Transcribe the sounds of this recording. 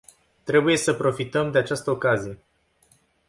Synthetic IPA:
t̪ɾe̞buje̞səpɾo̞fit̪əmd̪e̞at͡ʃast̪əokazije̞

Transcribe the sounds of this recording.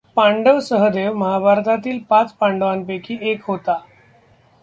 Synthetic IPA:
pãɳɖəʋsəɦəd̪eʋməɦabʱaɾt̪at̪iːlpãt͡spãɳɖəʋanpekʰiːʔekɦot̪a

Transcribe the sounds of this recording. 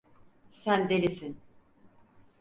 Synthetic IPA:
sænd̪elʲisin

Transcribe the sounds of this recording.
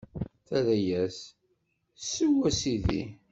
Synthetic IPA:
θæðæjæs | sːəwæsiðḭ

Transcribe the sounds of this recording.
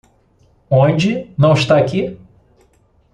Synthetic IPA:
õnd͡ʒɪnɐ̃w̃ɪʃt̪aaki

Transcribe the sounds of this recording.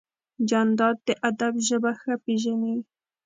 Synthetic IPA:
d͡ʒand̪ɑd̪̚d̪əʔad̪abʒəbaxəpeʒani

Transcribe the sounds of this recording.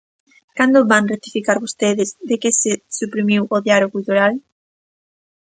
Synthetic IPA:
kand̪ʊβaŋret̪ifikaɾβost̪eðɪzðekesesupɾimiwʔoðjaloɣuiðoɾal

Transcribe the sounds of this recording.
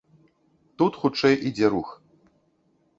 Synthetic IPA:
t̪ut̪xut͡ʂɛjʔid͡zʲɛɾux

